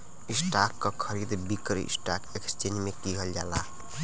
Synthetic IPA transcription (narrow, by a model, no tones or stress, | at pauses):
isʈakːʌkʰəɾid̪bikɾ̰ḭsʈakekst͡ʃenmekiɦəld͡ʒala